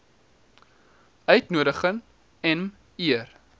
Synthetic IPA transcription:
œɥtnuəɾəχəŋ | ɛm | iər

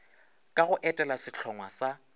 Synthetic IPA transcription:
kʼaɣʊʔɛtʼɛlasɪt͡ɬʰɔŋwasa

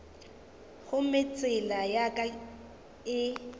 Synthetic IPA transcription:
ɣʊmɪt͡sʼɪlajakʼa | ɪ

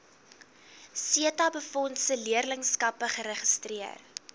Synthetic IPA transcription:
siətɐbəfɔntsəliərləŋskɐpəχəɾəχəstriər

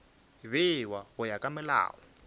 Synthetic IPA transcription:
βɪwawʊjakʼamɛla̰ːwɔ

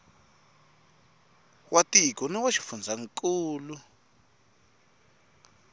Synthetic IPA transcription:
wʔatikɔnɛwaʃi̥fund͡zʱaŋkʼuːlu

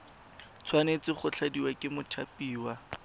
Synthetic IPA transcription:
t͡sʰwanet͡sɪχʊt͡ɬʰadiwakʼɪmʊtʰapʼiːwa

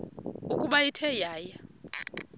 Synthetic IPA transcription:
ukʼuɓajitʰɛjaːja

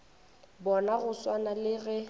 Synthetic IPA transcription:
bɔnaɣʊswanalɪɣɛ

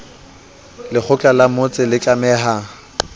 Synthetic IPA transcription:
lɪk͡xʰʊt͡ɬʼalamot͡sʼɪlɪkʼamɛːɦa

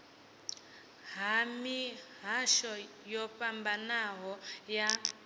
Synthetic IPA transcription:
ɦamiɦaʃɔ | jɔpambanaɦɔja

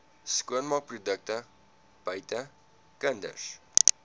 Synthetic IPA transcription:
skuənmɑk̚prudək̚tə | b̥ɐjtə | kəndə̰ʃ

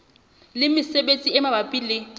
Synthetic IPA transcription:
lɪmɪsebet͡sʼiɛmabapʼilɪ

